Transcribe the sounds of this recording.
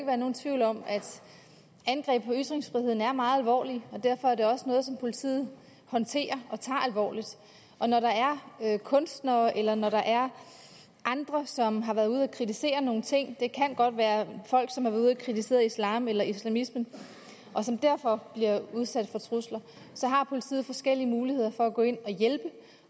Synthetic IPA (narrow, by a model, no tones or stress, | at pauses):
eɡəʋæɐno̝ːn̩t͡sʰʋiʊ̰lɒ̽mæd̥ | ænɡ̥ʁɛ̰ːb̥pʰɒ̽yd̥ʁeŋsfʁihe̝ð̰ˠn̩æɐmɑ̈ːð̩ˠælʋɒ̰ːliɒ̽d̥æɐ̰fɒ̽æɐɾ̥e̝ɒ̽sənɔ̽ːðˠsɒ̽mpʰo̝lit͡sʰḭːð̩ˠ | hɒ̽nt͡sʰe̝̰ːɐɒ̽t͡sʰɑ̰̈ːælʋɒ̰ːlid̥ | ʔɒ̽nɒɾɑ̈æɐøkʰɔ̽nsd̥nɐːʔelɐnɒɾɑ̈ʔæɐ | ʔɑ̈nd̥ʁɐsɒ̽mɦɑ̈ʋæɐðˠuð̞ˠækʰʁit͡sʰise̝̰ːɐno̝ːn̩t͡sʰe̝ŋ̰d̥e̝kʰænɡ̥ɒ̽d̥ʋæːɐfɒ̽l̰ɡ̥sɒ̽mhɑæɐðˠuðˠækʰʁit͡sʰise̝̰ːð̩ˠislɑ̈ːmelɐislæmismən | ʔɒ̽sɒ̽md̥æɐ̰fɒ̽b̥liɐuð̞ˠsæd̥fɒ̽t͡sʰʁuslɐ | sɒ̽ɦɑ̈pʰo̝lit͡sʰḭːð̩ˠfɒ̽sɡ̥el̰iəmuːlihe̝ð̞̰ˠɐfɒ̽æɡ̥ɔ̽ːe̝n̰ɒ̽jelb̥ə